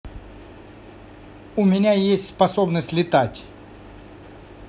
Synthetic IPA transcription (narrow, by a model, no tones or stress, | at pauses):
ʊmʲɪnʲajesʲtʲspɐsobnəsʲtʲlʲɪt̪atʲ